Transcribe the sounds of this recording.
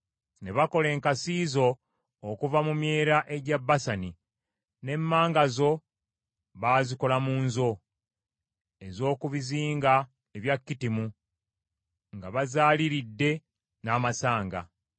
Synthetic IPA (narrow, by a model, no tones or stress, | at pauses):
ne̞βako̞le̞ːŋkasiːzo̞ː | kuvamumje̞ːɾaʔe̞ɟabːasani | ne̞mːaːŋɡazo̞ | βaːziko̞lamuːnzo̞ | e̞zo̞ːkuβiziːŋɡa | eβjakːitimu | ŋɡaβazaːliɾidːe̞ | naːmasaːŋɡa̰